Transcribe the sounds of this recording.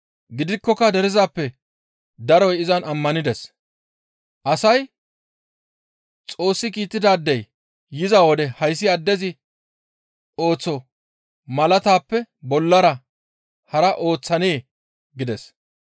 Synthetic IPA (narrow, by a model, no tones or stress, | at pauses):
ɡɪd̪ɪkːɔkːɐd̪ɛɾɪzaːpːɛ | d̪ɐɾɔjɪzɐnɐmːɐnɪd̪ɛs | ʔɐsɐj | t͡sʼo̞ːsːɪkiːt̪ːɪd̪aːd̪ːɛjː | ɪzawɔd̪ɛhɐjs̬ːɪɐd̪ːɛzɪ | o̞ːt͡sːɔ | mɐlɐt̪aːpːɛbɔlːɐɾɐ | hɐɾɐʔo̞ːt͡sːɐne̞ː | ɡɪd̪ɛs